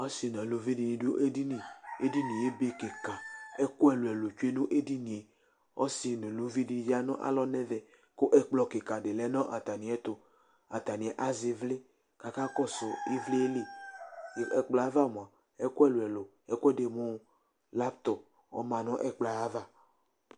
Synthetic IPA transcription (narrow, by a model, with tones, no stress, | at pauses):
ɔ˦si˨nɔ̃˨lo˨vi˦di˨nĩ˨do˦ʔe˦di˦nĩ˨e˦di˦nĩ˨e˦be˦ke˨ka˨e˦ko˦ɛ˨lo˨ɛ˨lo˨t͡ʃu˦e˦nu˦ʔe˦di˦nĩ˨e˨ | ɔ˦si˨nõ˨lo˦vi˦di˦n˦va˦nɔ̰̃˦ʔa̰˨lɔ˦nɛ̃˦vɛ˨ | ko˦ʔɛ˦k͡plɔ˦ke˨ka˨de˨lɛ˦nɔ̃˦ʔa˨t̪a˨nĩ˨ɛ˦t̪o˦ | a̰˨t̪a˨nĩ˨ɛ˨ʔa˦ze˨vle˦ | ka˨ka˦kɔ˦so˨i˦vle˦e˦le˦˨ | ɛ˨k͡plɔ˨a˦va˦mõ˨a˨ | e˦ko˦ɛ˦˨lo˨ɛ˨lo˨ | ɛ˦ko˦ɛ˦de˨mõ˦ | la˦bt̪ɔ˨ | ɔ̰˦mã˨nɔ̃˦ʔɛ˦k͡pla˨a˦va˦